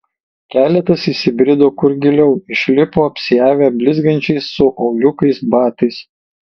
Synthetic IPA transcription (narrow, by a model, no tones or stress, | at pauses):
kʲæːlʲɛt̪ɐsisʲɪbʲɾʲɪd̪oːkʊɾɡʲɪlʲɛʊɪʃʲlʲɪpoːɐpʲsʲɪjæːʋʲæːbʲlʲɪzɡɐnʲt͡ʃʲɛɪsːʊʔɒʊjʲʊkɐɪsbɑːt̪ɐɪs